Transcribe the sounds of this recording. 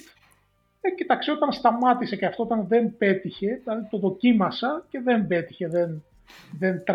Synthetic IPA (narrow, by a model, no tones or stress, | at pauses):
ecit̪ɐksio̞t̪ɐnst̪ɐmɐt̪ise̞ceɐft̪oo̞t̪ɐnðe̞mbe̞t̪içe̞ðilɐðit̪o̞ðo̞cimɐsɐce̞ðe̞mbe̞t̪i̥çe̞ðen | ðent̪